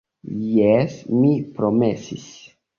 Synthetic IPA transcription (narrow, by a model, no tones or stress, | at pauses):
jesmipɾomesis